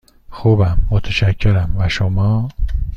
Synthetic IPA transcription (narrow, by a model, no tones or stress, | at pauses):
xubæmːot̪ʰeʃæcʰːeɾæmvæʃomɒː